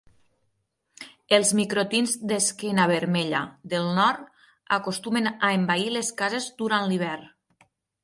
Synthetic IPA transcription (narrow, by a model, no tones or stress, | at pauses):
elˠzmikɾot̪inzd̪eskɛnaβ̞eɾmɛʎa̰ðelˠnɔɾt̪ | akost̪umenaembaileskazezd̪uɾanliβ̞ɛɾ